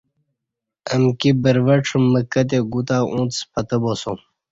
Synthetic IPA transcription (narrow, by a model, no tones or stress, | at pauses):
əmkibəɾʋəʈ͡ʂʰumːəkət̪̬eɡut̪aːʔũːt̪t͡spɐt̪əbosom